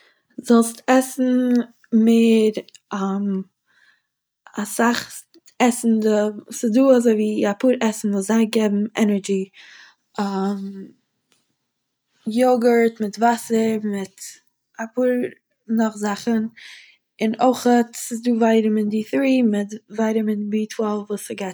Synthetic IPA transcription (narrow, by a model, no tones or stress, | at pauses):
zɔlˠstɛsn̩ | meːɾam | asaχ | ɛsn̩dəsɪduːazoɪviːapuːɾʔɛsn̩vuːzaɪɡɛbm̩ɛnəɾɡi | am | jɔɡəɾtmɪtvasəɾmɪt | apuːɾ | nɔχzaχən | ɪnoɪχətsɪsduːvaɪɾəmɪndɪθɾiːmɪtvaɪɾəmɪnbitʰwɛlˠfvuːsɪɡat